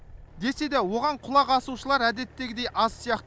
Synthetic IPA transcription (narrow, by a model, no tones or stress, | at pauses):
d̪e̞se̞d̪ewo̞ʁɑɴqʰʊlˠɑqɑsuʃəlˠɑɾæd̪e̞t̪ːe̞ɡʲɪd̪e̞jʔɑzsijɑqt̪ə